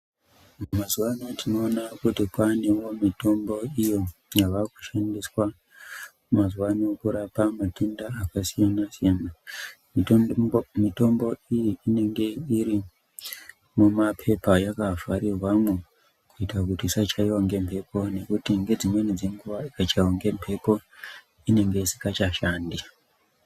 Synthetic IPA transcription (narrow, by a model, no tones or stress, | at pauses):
mazuwanotʰino̞ːnakutikwane̞wo̞mito̞mbo̞ijo̞jaʋaku̥ʃandiswa | mazwano̞kuɾapamatundaːkasijanasijana | mi | mito̞mbo̞ijiine̞ŋɡe̞iɾi | mumapʰe̞pajakafarirwamwe | kuitrakutisat͡ʃaiwaŋɡe̞mpʰe̞po̞ne̞kutiŋɡe̞d͡zimwenid͡ze̞ŋɡuʋaikat͡ʃaiwaŋɡe̞mpʰe̞po̞ | ine̞ŋɡe̞isi̥kat͡ʃaʃaːndi